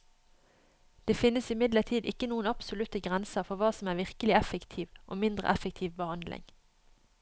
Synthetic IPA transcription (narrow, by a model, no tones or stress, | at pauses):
d̪̥eːfɪnːəsɪmɪd̪ləʁt̪ʰiːd̪ɪkːənuːənɑpsʊlʉt̪əɡʁɛnsəʁfɔʁʋɑːsɔmæːʋɪʁkəlɪæfəkt̪ʰiːʋʔo̰ːmɪnd̪ʁə̰ʔɛfək̚t̪ʰiːʋbəhɑnd̪lɪ̰ŋ